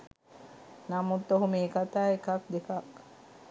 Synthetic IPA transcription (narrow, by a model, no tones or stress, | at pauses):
namut̪ːoɦumeːkat̪aːekak̚d̪ekak